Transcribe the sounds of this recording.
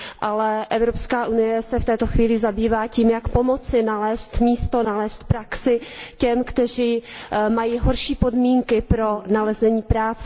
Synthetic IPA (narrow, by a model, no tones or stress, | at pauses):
ʔalɛʔɛvɾo̞pskaːʔunɪjɛsɛft̪ɛːt̪o̞xviːlɪzabiːvaːciːmjakpo̞mo̞t͡sɪnalɛːst̪miːst̪o̞nalɛːst̪̚pɾaksɪcɛmkt̪ɛr̝iːmajiɦo̞ɾʃiːpo̞dmiːŋkɪpɾo̞nalɛzɛɲiːpɾaːt͡sɛ